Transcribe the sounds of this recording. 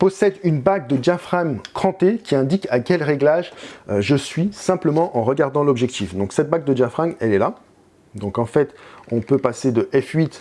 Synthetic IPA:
pɔsɛd̪ynbaɡ̚d̪əd̪jafχaŋkχɑ̃t̪ekʲiɛ̃d̪ikakʲɛlʁeɡlaʒʒəsɥisɛ̃pləmɑ̃ʔɑ̃ʁəɡaʁd̪ɑ̃lɔbʒɛk̚t̪ʰifd̪ɔ̃ksɛt̪̚baɡ̚d̪əd̪jafχaŋɛlɛla | d̪ɔ̃kɑ̃fɛt̪ɔ̃pøpased̪əʔɛfɥit̪

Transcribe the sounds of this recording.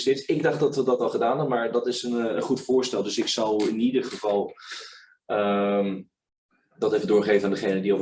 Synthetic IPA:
sɪtsɪɡ̚dɑχtdɑtʋədɑtɑlˠχədaːnɦɛbəmaːɹdɑtɪsənənχutfʊːɹstɛlˠdɵsɪksɑlˠɪnidərχəvɑlˠ | əm | dɑtejvədʊːɹχejvənaːndəχejnədiɔ

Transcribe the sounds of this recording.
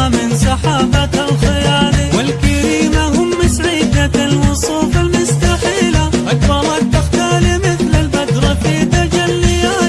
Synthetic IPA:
mɪnsˤɑħaːbaalxɪjaːlɪwɪlkaɾiːmaɦʊmːɪsʕiːd̪aalwʊsˤuːfalmʊst̪aħiːlaʔakbɑɾˤɑt̪axt̪aːlimɪθlalbad̪ɾˤɑfiːt̪ad͡ʒalːɪjjːaː

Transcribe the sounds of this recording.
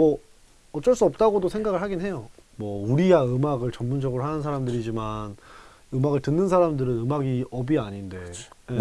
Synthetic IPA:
mʌ | ʌt͡ɕ͈ʌɭs͈uʌp̚t͈aɡodosʰe̞ŋɡaɡɯɭhaɡinɦe̞jomwʌuɾiɡaɯmaɡɯɭt͡ɕʌmmund͡ʑʌɡɯɾohɦanɯnsʰaɾamdɯɾid͡ʑiman | ɯmaɡɯɭtɯnːɯnsʰaɾamdɯɾɯnɯmaɡiʌbiaɲinde̞je

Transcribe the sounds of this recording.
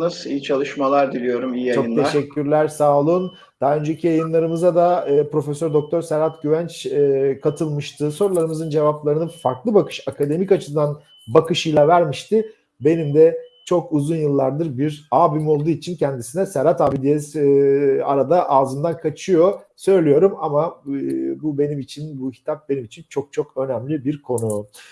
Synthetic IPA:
nasiːt͡ʃʰalˠɯʃmalˠaɾd̪ilʲijo̞ɾumiːijaojɯnt̪ʰeʃɛcʲːyɾlʲæɾsaːlˠun | d̪̥aɦaø̞nd͡ʒecʰijajɯnlˠaɾɯmɯzad̪aɯːpɾo̞fesøɾd̪o̞k̚t̪ʰo̞ɾsæɾat̪ɟyvænt͡ʃɛkʰat̪ʰɯlˠmɯʃt̪ʰɯso̞ɾulˠaɾɯmɯzɯnd͡ʒe̞vaplˠaɾɯnɯfaɾklˠɯbakʰɯ̥ʃakʰad̪e̞micat͡ʃʰɯd̪an | bakɯʃɯjlˠavæɾmiʃt̪ɪ | be̞nimd̪ɛt͡ʃʰo̞kuzunjɯlˠːaɾd̪ɯɾbiɾaːbimo̞lˠd̪uit͡ʃʰincʰænd̪isinɛsɛɾat̪aːbid̪ijɛs | a̰ɾad̪aʔaːzɯmd̪ankʰat͡ʃʰɯjo̞sø̞jlʲijo̞ɾumama | bube̞nimit͡ʃʰinbucʰi̥t̪ʰap̚be̞nimit͡ʃʰint͡ʃʰo̞k̚t͡ʃʰo̞kø̞næmlʲibiɾkʰo̞nu

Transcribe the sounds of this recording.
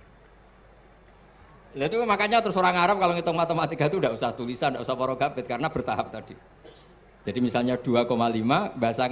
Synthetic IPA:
lɛt̪umakaɲat̪ɾʊsoɾaŋaɾap̚kaloŋit̪ʊŋmat̪emat̪eɡ̥a̤t̪udaʔusaht̪ulisandaʔusahpɔɾɔɡ̥abɪt̪̚kaɾənab̥ərt̪aɦap̚t̪ad̥i | d͡ʒadimisalɲad̥uakomalimabaɦasa

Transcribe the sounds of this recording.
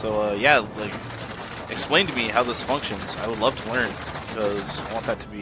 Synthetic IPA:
soʊʌjælaɪk | ʔɨksplẽɪ̃ntɨmihaʊðɪsfʌ̃ŋkʃɨ̃nz̥a̰ɪwədˡlʌv̥tʰəlɜ̃˞n | b̥ɪkʰʌz̥aɪwɑ̃nðɨtʰəbi

